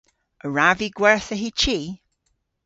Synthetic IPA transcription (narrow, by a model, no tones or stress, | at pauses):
əɹaviɡwɛɹθəɦit͡ʃiː